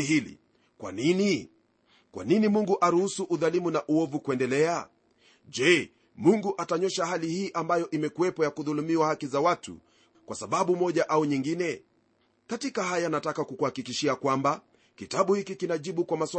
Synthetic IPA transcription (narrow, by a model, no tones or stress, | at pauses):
hilḭ | kwa̰nini | kwʔa̰ninimuŋɡuʔaɾuhusuʔuðalimunaʔuɔvukuɛndɛlɛa | ʄɛ | muŋɡuʔataɲɔʃahalihiːʔambajɔʔimɛkuwɛpɔjakuðulumiwahakizawatʰṵ | kwasaɓaɓumɔʄaʔauɲiŋɡinɛ | katikaɦajanatakakukuhakikiʃiakwamba | kitaɓuhikikinaʄiɓukwamasw